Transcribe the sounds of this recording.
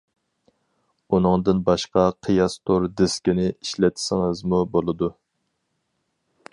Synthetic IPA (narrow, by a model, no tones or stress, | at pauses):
unɨŋd̪ɨnbɑʃqɑqʰijɑst̪ʰoɾd̪ɪskʲinɪiʃlɛt̪ʰɪ̥sɪŋɨzmubolˠɨd̪u